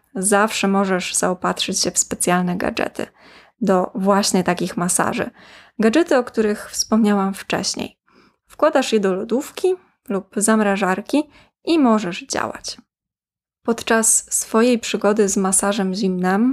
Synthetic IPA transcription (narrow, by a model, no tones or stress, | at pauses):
zafʂɛmɔʐɛʐz̥a̰ɔpat̪ʂɘt͡ɕɕɛfspɛt̪sʲjalnɛɡa̰d͡ʐɛ̰t̪ɘ̰ | d̪ɔvwaɕɲɛt̪akʲixmasa̰ʐɘ̰ | ɡad͡ʐɛt̪ɘɔkt̪uɾɘxfspɔmɲawamft͡ʂɛ̰ɕɲḛj | fkwad̪aʂjɛd̪ɔlɔd̪ufkʲi | lupzamɾaʐaɾkʲi | ʔimɔʐɛʐd͡ʑa̰wa̰t͡ɕ | pɔt̪t͡ʂasːfɔjejpʂɘɡɔd̪ɘzmasaʐɛmʑimnɘm